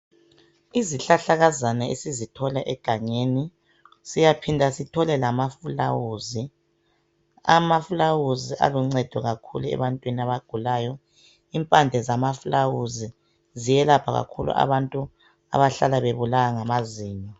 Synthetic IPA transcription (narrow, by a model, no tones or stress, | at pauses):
iziɬaɬaɣazanaesizitʰɔlaʔɛɡ̥ʱaɲeːni | sijapʰindʱasitʰɔlɛlamafulawuzi | a̰mafulawuziʔa̰luŋ͡ǀɛd̥ʱɔɣakʰṵluɛ̰βantʼwiniaβaɡ̥ʱulaːjɔ | impʼand͡ɮʱɛzamafulawuzi | zijɛlapʰaɣa̰kʰulṵʔa̰βantʼu | a̰βaɬalaβeβulaɣaŋamaziːɲɔ